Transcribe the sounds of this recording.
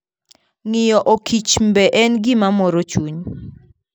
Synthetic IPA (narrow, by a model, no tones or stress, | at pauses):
ŋɪjɔʔokʰit͡ʃmbɛʔɛnɡɪmamɔɾot͡ʃuɲ